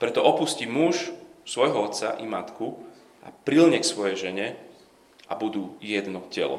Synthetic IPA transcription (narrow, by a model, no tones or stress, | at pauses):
pɾɛt̪ɔʔɔpuscimuʃsʋɔjɦɔɔt̪sa̰ʔimat̪ku | ʔa̰pɾilɲɛksʋɔjɛjʒɛɲɛ | ʔa̰bud̪ujɛd̪nɔcɛ̰lɔ̰